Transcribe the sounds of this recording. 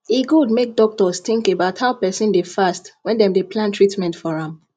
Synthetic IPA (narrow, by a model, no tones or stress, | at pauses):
iɡudmek̚dɔk̚tɔst̪ɪ̃ŋkebaʊthaʊpɛsĩndefastwɛ̃ndɛ̃mdepʰlãntʰɹitmɛ̃ntfɔɹãm